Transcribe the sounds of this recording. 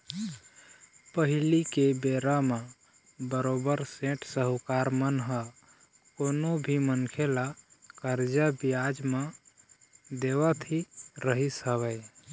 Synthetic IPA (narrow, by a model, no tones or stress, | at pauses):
pəɦilikebeɾame | bəɾobəɾsẽʈʰsəɦukaɾmənɦə | konobʱimənkʰelakəɾd͡ʒəbijad͡ʒme | d̪eβət̪ʰiɾəɦisəβəɪ